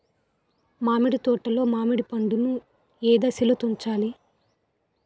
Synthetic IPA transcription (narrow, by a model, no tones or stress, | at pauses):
maːmiɽit̪ɔːʈːɐlo̞ːmaːmiɽipɐɳɖunu | ɛːd̪ɐsilɐt̪uɲt͡ʃaːli